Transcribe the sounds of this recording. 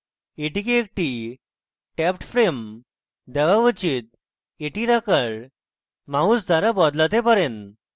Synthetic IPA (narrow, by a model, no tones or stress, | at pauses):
eʈikeek̚ʈi | ʈɛpʈfɾem | d̪ɛʋaʋət͡ɕit̪̚ | eʈiɾakəɭ | mausd̪ʱaɾabɔd̪lat̪epəɾen